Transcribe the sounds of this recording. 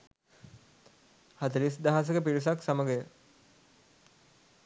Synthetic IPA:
hat̪əɾis̬d̪aɦas̬əkəpiɾis̬aksaməɡejə

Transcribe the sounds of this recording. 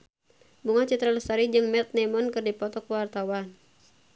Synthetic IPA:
muŋat͡ʃɨt̪ɾaləsaɾid͡ʒɨŋmɛt̪̚nɛmɔnkɨrdipɔt̪ɔkwart̪awan

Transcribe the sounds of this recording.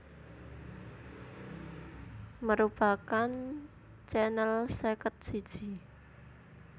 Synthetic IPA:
məɾupakan | t͡ʃɛnəlsekət̪̚si̥ʒ̥i

